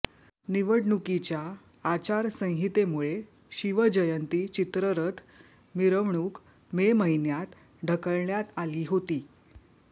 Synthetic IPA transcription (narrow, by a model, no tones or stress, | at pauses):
niʋəɽɳukit͡ɕjaː | t͡ɕaɾsə̃ɦit̪emuɭe | ɕiʋəd͡ʑəjənt̪iːt͡ɕit̪ɾəɾət̪ʰ | miɾəʋɳuːk | meməɦinjat̪ | ɖʱəkəɭɳjat̪aliːɦot̪iː